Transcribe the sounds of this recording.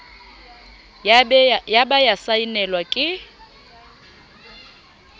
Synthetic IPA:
jabajasainɛlwakʼɪ

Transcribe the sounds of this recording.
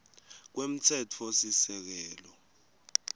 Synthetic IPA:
k̬wem̩tʰɛtʰɔsisɛk̬ɛːlɔ

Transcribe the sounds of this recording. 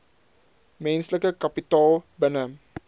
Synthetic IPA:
mɛ̃nsləkəkapitɑːlbənə

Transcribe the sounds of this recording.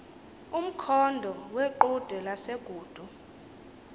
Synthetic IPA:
um̩kʰɔndʱɔweǃud̥ʱɛlaseɡ̥ʱuːd̥ʱu

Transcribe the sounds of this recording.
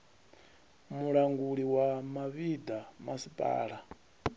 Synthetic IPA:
muɺaŋɡuɺiwamaβid̪amasipʼa̰ːɺa

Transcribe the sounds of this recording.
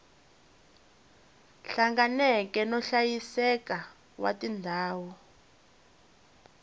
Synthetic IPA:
ɬaŋɡanɛkɛnɔɬajisɛka | wa̰tʼindʱaːwɔ

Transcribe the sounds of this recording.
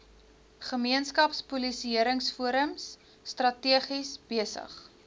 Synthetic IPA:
χəmiənskɐpspulisiəɾəŋsfuəɾəmsː | trɐtiəχisb̥iəsə̰χ

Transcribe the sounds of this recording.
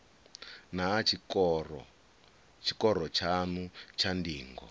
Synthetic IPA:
nat͡ʃkɔrɔ | t͡ʃʰi̥kɔɾɔt͡ʃʰanut͡ʃʰandiːŋɡɔ̰

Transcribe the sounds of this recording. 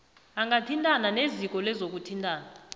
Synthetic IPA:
aŋɡatʰintʼananezik̬ʼɔlɛzok̬utʰintʼaːna

